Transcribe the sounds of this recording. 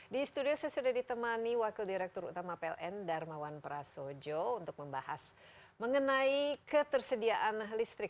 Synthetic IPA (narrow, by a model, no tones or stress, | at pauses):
dist̪udiosajasudahdit̪əmaniwakildiɾɛk̚t̪ɔɾṵt̪amapeɛ̰lʔɛndarmawanpəɾasod͡ʒount̪ʊk̚məmbaha̰s | məŋənaikət̪ərsədiaʔanlist̪ɾɪk̚